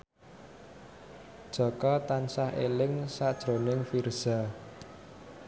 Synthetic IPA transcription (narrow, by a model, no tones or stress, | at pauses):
d̥ʒ̥ɔ̤kɔt̪ansahʔelɪŋsad̥ʒ̥ɾo̤nɪŋfirz̥a